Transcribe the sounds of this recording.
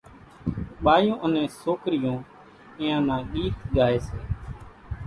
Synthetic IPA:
ɓaːjõːʔənẽːsoːkɾɪjõː | ɪ̃jãːnãːɗiːt̪ɠaːeːseː

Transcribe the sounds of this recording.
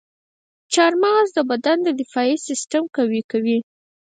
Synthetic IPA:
t͡ʃɑɾmɑzd̪əbad̪and̪əd̪ɪfɑisɪstamkawikawi

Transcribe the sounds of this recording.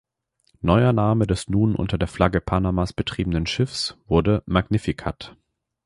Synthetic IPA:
nɔʏɐnaːmədɛsnuːnʔʊ̰ntɐdeːɐfl̥aɡəpʰanamasb̥ətʁ̥iːbənənʃɪfsv̥ʊɐdəmaɡnɪfikʰat

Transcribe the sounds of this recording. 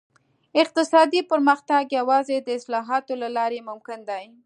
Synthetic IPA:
ɪq̚t̪ɪsɑd̪ipəɾməxt̪aɡjawɑzed̪əɪslɑɦɑt̪olalɑɾemʊmkɪnd̪aj

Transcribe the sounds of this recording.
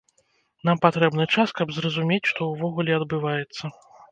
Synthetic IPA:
n̪ampat̪ɾɛbnɨt͡ʂaskɐbzrɐzumʲet͡sʲʂt̪ɔwvɔɣulʲɛɐd̪bɨvajɛt̪sːɐ

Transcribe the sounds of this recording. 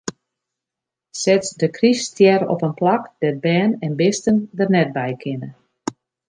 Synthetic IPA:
sɛtsdəkristjɛɾɔ̰pənplakd̥ɛt̚bɛːnɛnbɪstəndərnɛt̚bɛjkʰɪnə

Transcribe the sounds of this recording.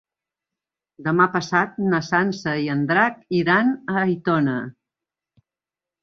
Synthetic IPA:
d̪əmapəsat̪̚nəsansəiənd̪ɾakiɾanəːjt̪ɔnə

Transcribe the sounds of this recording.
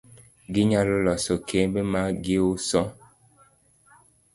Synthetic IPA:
ɡiɲalolɔsɔkʰebemaɡeusɔ

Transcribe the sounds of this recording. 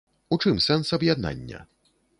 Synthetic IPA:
ut͡ʂɨmsɛnsɐbjad̪̚na̰nʲːɐ̰

